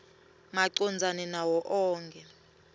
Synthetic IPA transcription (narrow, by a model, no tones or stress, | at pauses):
maǀɔnd͡zʱanɛnawɔʔɔːŋkʰʼɛ